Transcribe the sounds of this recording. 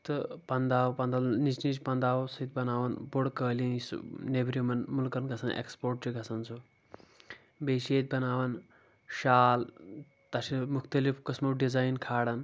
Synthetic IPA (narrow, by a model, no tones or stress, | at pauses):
t̪ɨpɐnd̪aːwpɐnd̪anisnispɐnd̪aːwsɐit̪̚bɐnaːʋɐnboɽkəːlinisnebɾimɐnmulkɐnɡɐsɐnʔḛkspoɾʈ̚t͡ʃiɡʱɐsɐnt͡sʰo | beʃeːt̪̚bɐnaːʋɐn | ʃaːl | t̪ɐsimukʰt̪ɐlifkəsmɐwɖid͡zaːjnkʰaːɽɐn